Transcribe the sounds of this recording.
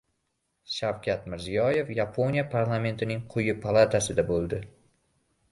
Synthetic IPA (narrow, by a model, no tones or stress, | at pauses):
ʃawkʲʰat̪mɪɾzijɒje̞fjapʰo̞nijapʰaɾlˠame̞nt̪ʰɪnɪŋqʰʊjɪpʰalˠat̪ʰasɪd̪abolˠd̪ɪ